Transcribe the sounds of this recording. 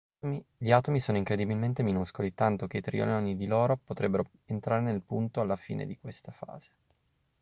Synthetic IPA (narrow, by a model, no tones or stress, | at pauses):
miʎiaːt̪omisoːnoiŋkɾed̪ibilment̪eminuskolit̪ant̪ok̟eit̪ɾḭo̰neɔnːid̪iloːɾopot̪ɾebːeɾo | ent̪ɾaːɾenelpunt̪oalːafḭːnḛd̪ikwest̪afa̰ːz̥e̥